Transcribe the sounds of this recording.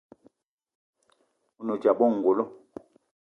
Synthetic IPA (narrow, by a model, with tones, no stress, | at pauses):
u˦nɔ˨d͡ʒa˨bɔ˦˨ŋ̩˨ɡo˨lɔ˦